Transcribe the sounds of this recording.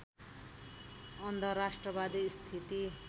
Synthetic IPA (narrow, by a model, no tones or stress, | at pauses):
ʌnd̪ʱʌrɾasʈrʌbad̪ist̪ʰit̪i